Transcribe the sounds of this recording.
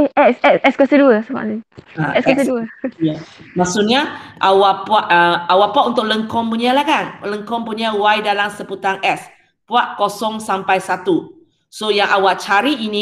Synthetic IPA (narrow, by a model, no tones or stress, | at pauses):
eʔɛsɛsɛskwasəduəsəma̰ʔniaɛskkasəduəjamasuʔɲaʔawaʔpuaʔəawaʔpaʔunt̪ʊʔ̚ləŋkɔmpuɲalahkanləŋkɔmpuɲawajdalasəput̪aŋʔɛs | puaʔkosɔŋsampajsat̪u | sojaŋʔawaʔt͡ʃaɾiinĩ